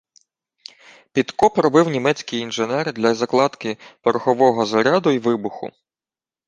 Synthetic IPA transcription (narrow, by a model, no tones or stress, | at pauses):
pʲit̪kɔpɾɔbɪwnʲimɛt͡sʲkɪjinʒɪnɛrd̪lʲɐzɐklˠɑd̪kɪpɔɾxɔʋɔɦɔzɐɾʲɑd̪ʊiʋɪbʊxʊ̰